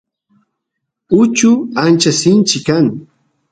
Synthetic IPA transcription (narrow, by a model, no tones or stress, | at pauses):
ʊt͡ʃʊant͡ʃasɪnt͡ʃɪkːaŋ